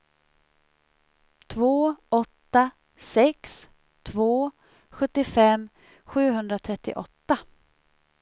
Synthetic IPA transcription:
t̪ʰvoːʔɔt̪ːa | sɛks | t̪ʰvoː | ɧɵt̪ːɪfɛmː | ɧʉ̟ːɦɵnd̪ɾat̪ʰɾɛt̪ːɪ̰ʔɔt̪ːa

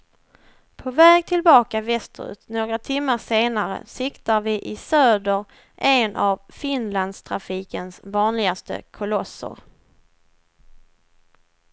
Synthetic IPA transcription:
pʰɔvɛːɡ̚t̪ʰɪlbɑːkavɛst̪ɾʉ̰ːt̪noːɡɾat̪ʰɪmːaʂeːnaɾə̰sɪkt̪aɾvɪʔɪsøːd̪əɾ | ʔɛnʔavfɪnland̪st̪ʰɾafiːkənsvɑːnlɪɡast̪ə̰kʰʊlɔsːʊ̰ɾ

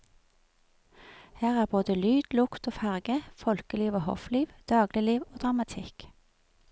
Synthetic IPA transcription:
hæːʁæːʁboːd̪əlyːd̪̥lʊkt̪oːfæʁɡəfɔlkəliːʋoːhɔ̰fliːʋd̪̥ɑːɡlɪliːʋoːd̪ʁɑmɑt̪ʰɪk

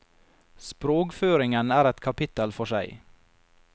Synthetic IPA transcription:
spɾoːkføːɾɪŋənæːɾɛt̪kʰɑpɪt̪əlfɔʂæɪ

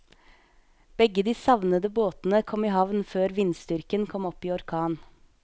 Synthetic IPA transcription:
b̥ɛɡəd̪iːsɑʋnəd̪əboːt̪n̩əkʰɔmiːhɑʋnføːɾʋɪnst̪ʏɾkənkʰɔmɔpiːɔɾkʰɑːn

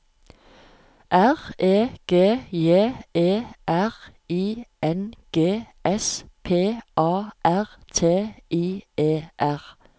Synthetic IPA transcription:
ʔæʁeːɡ̥eːjeːeːʔæʁiːʔɛnɡ̥eːʔɛspʰeːʔɑːʔæʁt̪ʰeːʔiːeːʔæʁ

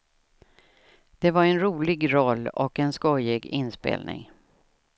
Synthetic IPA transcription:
d̪̥ɛvaɾɛnɾuːlɪɡɾɔlːɔkɛnskɔjɪɡɪnspḛːlnɪ̰ŋ

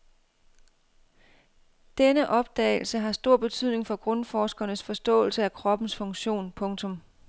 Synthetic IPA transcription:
d̥enəʔɒ̽b̥̚d̥ɛ̰ːɪl̩səɦɑ̈sd̥o̝ɐ̰b̥e̝t͡sʰyð̞̰ˠne̝ŋfɒ̽ɡ̥ʁɔ̽nfɒːsɡ̥ɐnəsfɒ̽sd̥ɔ̰̽ːl̩səækʰʁɒ̽b̥n̩sfɔ̽ŋɕo̝̰ːnpʰɔ̽ŋt͡sʰɔ̽m

